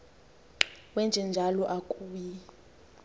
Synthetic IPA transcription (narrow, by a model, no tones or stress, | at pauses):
wɛnd͡ʒʱɛnd͡ʒʱalɔʔakʼuːji